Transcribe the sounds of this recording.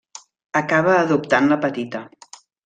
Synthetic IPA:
əkaβ̞əːðupt̪anləpət̪it̪ə

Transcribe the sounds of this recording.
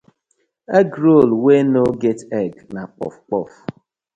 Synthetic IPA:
eɡɾolwenoɡetɛɡnak͡pɔ̰fk͡pɔ̰f

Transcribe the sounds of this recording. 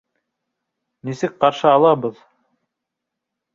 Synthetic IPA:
nisɘk̚qɑɾʃɤɑlˠɑbɤð

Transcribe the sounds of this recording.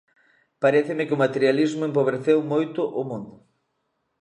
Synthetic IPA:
paɾeθɪmɪkɪomat̪eɾjalizmʊẽmpoβɾeθewmojt̪ʊʔʊmũnd̪ʊ

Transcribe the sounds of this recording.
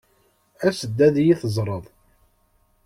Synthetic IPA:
æsəd̪ːæðjiθəzˤɾˤəðˤ

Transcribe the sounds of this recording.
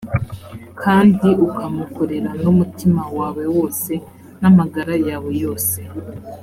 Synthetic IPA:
kʰaːndiukʰamuko̞ɾe̞ɾanumutimawaːwe̞wo̞ːse̞ | namaɡaɾajaːβo̞jo̞ːse

